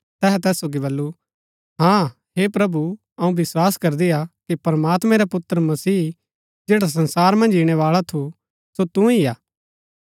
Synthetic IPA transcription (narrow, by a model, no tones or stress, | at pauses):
t̪ɛːɦɛt̪ɛːsːoːɡiβɐlːu | ɦãː | hepɾɐbu | ɐũbɪswaːskɐɾd̪iakipɐɾəmaːt̪mɛ̃ɾepʊt̪əɾəmɐsiː | d͡ʒeːɽas̬ɐ̃nsaːɾmɐ̃nd͡ʒiɽ̃eʋaːɭat̪ʰu | sot̪ũijaː